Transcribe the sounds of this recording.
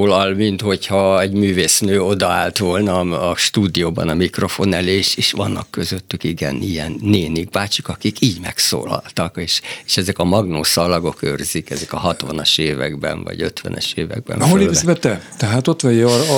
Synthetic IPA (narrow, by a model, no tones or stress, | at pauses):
lɒlmint̪ho̞chɒɛɟmyːveːsnøːo̞d̪ɒaːlt̪ʋo̞lnɒːʃt̪uːd̪ijoːbɒ̰nɒmikro̞fo̞nɛleːʃeːʃʋɒnːɒkːøzøt̪ːykiɡɛ̰nijɛnːeːniɡbaːt͡ʃikɒkikʰiːɟmɛkso̰ːlɒ̰lt̪ɒkeːʃeːʃɛzɛkɒmɒɡnoːsɒlɒɡo̞kørzikɛzɛkɒɦɒt̪ʋɒnɒʃeːvɛ̰ɡbɛ̰nvɒ̰ɟøt̪ʋɛ̰nɛ̰ʃeːvɛ̰ɡ̚bɛ̰mɦolevɛt̪ːɛt̪ɛɦaːt̪ot̪ʋɛjɛ